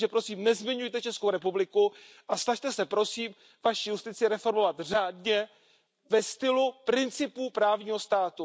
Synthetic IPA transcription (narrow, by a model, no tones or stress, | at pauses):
ɛpɾo̞siːmnɛzmɪɲujt̪ɛt͡ʃɛskowɾɛpublɪku | ʔasnaʃt̪ɛsɛpɾo̞siːm | vaʃijust̪ɪt͡sɪɾɛfo̞ɾmo̞vat̪r̝aːdɲɛ | vɛst̪ɪlupɾɪnt͡sɪpuːpɾaːvɲiːɦo̞st̪aːt̪u